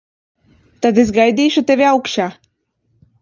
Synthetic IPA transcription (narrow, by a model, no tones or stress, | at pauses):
t̪ad̪esɡajd̪iːʃut̪evʲiawkʃaː